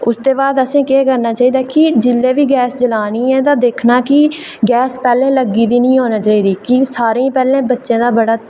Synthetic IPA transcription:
ʊst̪eːbaːd̪əsẽːkeːkəɾnaːt͡ʃaːiːd̪aːkɪd͡ʒɪlːeːʋiːɡɛːsd͡ʒəlaːniːɛ̃ːt̪ãːd̪eːkʰnaːkɪ | ɡɛːspɛːlẽːləɡːiːd̪iːnĩːɦoːnaːt͡ʃaːiːd̪iːkɪsaːɾẽːpɛːlẽːbətːʃẽːd̪aːbəɽaː

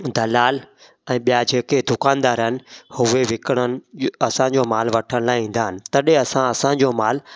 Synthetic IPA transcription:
d̪ʱɐlaːl | ɛ̃ːɓijad͡ʑeːked̪ʊkaːnd̪aːɾɦɪnɪ̆hʊʋeʋɪkəɽ̃ənɪ̆ɐsãɲd͡ʑoːmaːlʋɐʈʰəɽ̃laːɪĩːn̆d̪aːɦɪnɪ̆t̪ɐɗẽɐsãɐsãd͡ʑoːmaːl

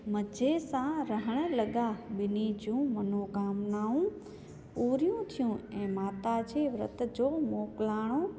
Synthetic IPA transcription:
məd͡ʑʱesãɾəɦəɽ̃ə̆lɐɠaɓɪnid͡ʑũːmɐnoːɡaːmnaːũ | uːɾijũt̪ʰijũɛ̃ːmaːt̪ad͡ʑeːʋɾə̰t̪d͡ʑoːmoːklaːɽ̃o

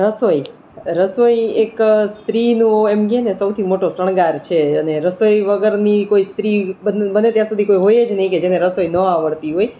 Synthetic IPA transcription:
ɾəsoi | ɾəsoiekst̪ɾinũemɡenesəwt̪ʰimoʈosəɽ̃ɡaɾt͡ʃʰeəneɾəsojʋəɡəɾnikoist̪ɾibəbənet̪jãsud̪ʱikoiɦojed͡ʒnəɦĩked͡ʒeneɾəsojnə̃aʋəɭt̪iɦoj

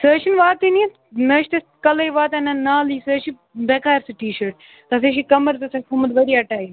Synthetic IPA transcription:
səːʃinʋaːt̪iniet̪ | nɐʃt̪ɐskɐlɐjʋaːt̪ɐnanaːliːsəːʃi | bɛkaːɾsɨʈiːʃəɾʈ̚ | t̪ɐs̬eʃikɐmɐɾd͡zɐsɐkʰumɐd̪ʋɐɾiɐʈaːji

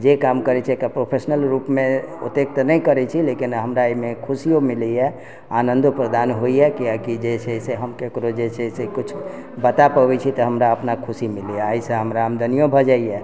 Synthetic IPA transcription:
d͡ʒekamkəɾɛt͡ʃʰiekapɾopʰesnəlɾupmẽṵt̪ek̚t̪nəikəɾɛt͡ʃʰilekinɦəmɾaemekʰusijomilijɛ | anənd̪opɾəd̪anɦoiɛkiakid͡ʒɛsɛɦseɦəmkekɾod͡ʒɛsɛsekʊt͡ʃʰ | bət̪apəbɛt͡ʃʰit̪ɔɦəmɾaəpnakʰusimilijaːisə̃ɦəmɾaɦəmd̪ʱənijobʱəd͡ʒaijɛ

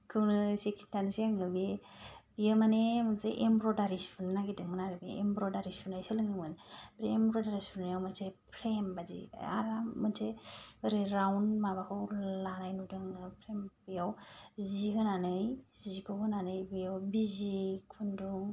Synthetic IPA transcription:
kʰɯwnɯsekstansiaŋɯbebijɯmanemɯnseʔembɾɔdaɾisunːaɡedɯŋmɯnaɾɯbeḛmbɾɔdaɾisunajsɯlɯŋɯŋmɯnbɾeːmbɾɔdaɾisunajawmansʰepʰɾembazḭa̰ɾamɯnsʰeɯɾɯɾawnmabakʰɯwlanajnudɯŋɯpʰɾembɯjawziɦɯnanɯjzikʰɯhɯnanɯjbɯjawbizikʰunduŋ

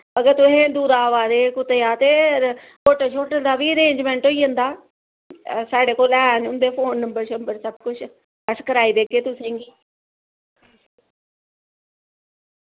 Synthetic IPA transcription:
bəɡət̪ʊɦẽːd̪uːɾaːʋaːɾeːkʊt̪eːaːt̪eː | koːʈət͡ʃʰoːʈəd̪aːʋiːəɾeːɲd͡ʒmɛ̃ːɳʈoːiːɦə̃nd̪aː | saːɖeːkoːlɛːnʊnd̪eːpʰoːnːəmbəɾʃəmbəɾsəb̚kʊt͡ʃʰ | əskəɾaːiːd̪eːkeːt̪ʊsẽːŋɡiː

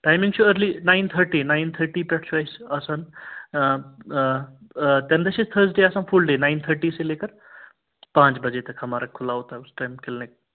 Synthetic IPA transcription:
ʈaːjmĩŋɡt͡ʃʰuəɾlinaɪnt̪ʰəɾʈiːnaɪnt̪ʰəɾʈipɛʈt͡ʃʰuajsɐsən | t̪ɛ̃md̪ɐʃist̪ʰəɾsɖeːasaːnfulɖeːnaɪnt̪ʰəɾʈiːseleːkəɾ | pãːt͡ʃbɐd͡ʒet̪ɐkʰɦɐmaːɾakʰːʊlaɦoːt̪aeʊsʈajmkelnek̚

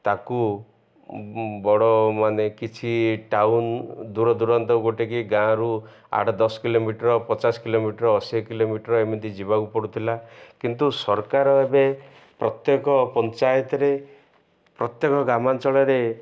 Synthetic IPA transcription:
t̪aku | bɔɽɔmanekit͡ʃʰiʈawnd̪uɾɔd̪uɾɔnt̪ɔɡoʈikiɡãɾu | a̰ʈɔd̪ɔsɔ̥kilomiʈɾɔpɔt͡ʃaskilomiʈɾɔːsikilomiʈɔɾɔemid̪id͡ʒibakupɔɽut̪ʰilakint̪usɔɾkaɾɔebe | pɾɔt̪jekɔpɔnt͡ʃajɔt̪ɔɾe | pɾɔt̪jekɔɡamant͡ʃɔɭɔɾe

